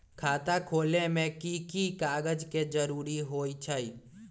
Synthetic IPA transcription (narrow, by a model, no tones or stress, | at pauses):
kʰaːt̪akʰoːlemẽkikikaːɡəd͡ʒked͡ʒəɾuːɾiɦoit͡ʃʰəi